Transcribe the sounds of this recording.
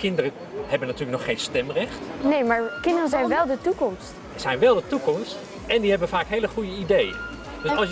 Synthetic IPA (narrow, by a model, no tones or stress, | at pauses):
kɪndərən | hɛbənːatyːləknɔχːeːnstɛmrɛχtnejmaːɹkɪndərəzɛjnʋɛlˠdətukɔmst | z̥ɛjnʋɛlˠdətukɔmst | ɛndiɦɛbənfaːkɦejləχujəidejə̰n | d̥øsɑs